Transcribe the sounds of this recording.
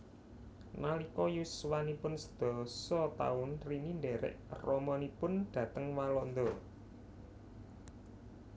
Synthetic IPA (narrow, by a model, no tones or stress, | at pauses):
nalikɔjuswanipʊnsə̥d̪̥ɔ̤sɔt̪a̰ʊnrinind̪ɛɾɛ̰ʔrɔmɔnipʊnd̪̥ä̤t̪əŋwalɔnd̪ɔ